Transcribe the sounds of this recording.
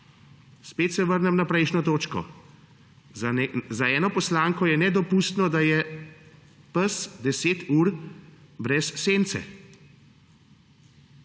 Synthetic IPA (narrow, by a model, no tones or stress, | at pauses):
speːt̪sɛʋəɾnɛmnapɾɛjʃnɔt̪oːt͡ʃkɔ̰ | zaɛːnɔpɔslaːŋkɔjɛnɛd̪ɔpuːst̪nɔd̪ajɛ | pəsd̪ɛseːt̪uːɾ | bɾɛsːeːnt̪sɛ̰